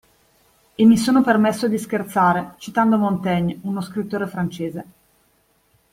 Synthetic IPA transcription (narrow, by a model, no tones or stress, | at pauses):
emːisoːnopermesːod̪iskert̪saːɾet͡ʃit̪and̪omont̪ɛɲːunoskɾit̪ːoːɾefɾant͡ʃeːze